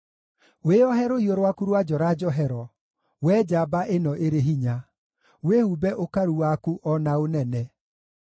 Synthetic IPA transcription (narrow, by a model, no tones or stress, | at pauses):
weɔɦɛɾoioɾwakuɾwad͡ʒɔɾad͡ʒɔɦɛɾɔ | wɛːd͡ʒabaʔenɔʔeɾeɦiɲa | wehubɛʔokaɾuwakuʔɔnaonɛnɛ